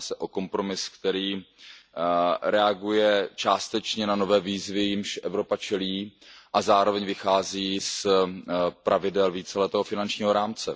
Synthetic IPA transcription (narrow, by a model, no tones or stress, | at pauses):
sɛʔo̞ko̞mpɾo̞mɪskt̪ɛɾiː | ɾɛaɡujɛt͡ʃaːst̪ɛt͡ʃɲɛnano̞vɛːviːzvɪjɪmʃʔɛvɾo̞pat͡ʃɛliːʔazaːɾo̞vɛɲvɪxaːziːs | pɾʔavɪdɛlviːt͡sɛlɛt̪ɛːɦofɪnant͡ʃɲiːɦo̞ɾaːmt͡sɛ